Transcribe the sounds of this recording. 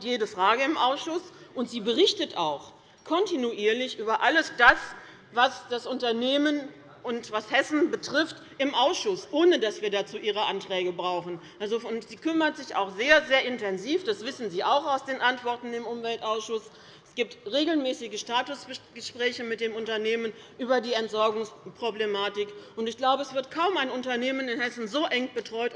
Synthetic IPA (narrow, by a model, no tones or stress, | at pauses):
tjeːdəfʁ̥aːɡəɪmʔaʊsʃʊsʔʊntz̥iːbəʁɪçtətaʊx | kʰɔntinuʔiːɐlɪçʔyːbɐʔaləsd̥as | vasd̥asʊntɐneːmən | ʔʊntvashɛsn̩bətʁ̥ɪft | ʔɪmʔaʊsʃʊsʔoːnədasv̥iːɐdaːt͡suːʔiːʁ̞əʔantʁ̥ɛːɡəbʁaʊxn̩ʔalzoʊntz̥iːkʰʏmɐtz̥ɪça̰ʊxz̥eːɐzeːɐʔɪntʰɛnziːfd̥asv̥ɪsn̩ziːʔaʊxaʊsd̥eːnʔantv̥ɔɐtn̩ɪmʊmvɛltʔaʊsʃʊs | ɛsɡ̥iːp̚tʁeːɡl̩mɛːsɪɡəʃtaːtʊsəɡ̥əʃpʁ̥ɛːçəmɪt̚d̥eːmʊntɐneːmən | ʔyːbɐdiːɛntz̥ɔɐɡʊŋspʁ̥oblemaːtɪkʊntɪçɡ̥laʊbəɛsv̥ɪɐtkʰaʊmaɪnʊntɐneːmənɪnhɛsn̩zoːʔɛŋb̥ətʁ̥ɔʏt